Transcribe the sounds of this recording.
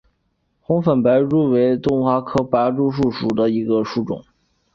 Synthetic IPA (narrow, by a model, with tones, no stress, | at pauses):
xʊ˧˥ŋfə˨˩npa˧˥ɪɻu˥˩we˧˥ɪt̪ʊ˥ŋxwa˧˥kʰɤ˥pa˧˥ʈ͡ʂu˥˧ʂu˥˩ʂu˨˩d̪ə˦i˧˥ɡə˧ʂu˥˩ʈ͡ʂʊ̰˨˩˦ŋ